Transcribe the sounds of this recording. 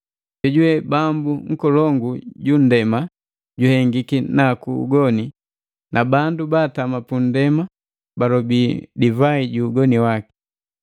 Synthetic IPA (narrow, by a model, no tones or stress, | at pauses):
ɟɛɟuwɛbambuŋ̩kɔlɔŋɡuɟun̩dɛma | ɟuhɛŋɡikinakṵːɡɔni | nʔabandubaːtamapun̩dɛma | balɔbiːdivaiɟuːɡɔniwaki̥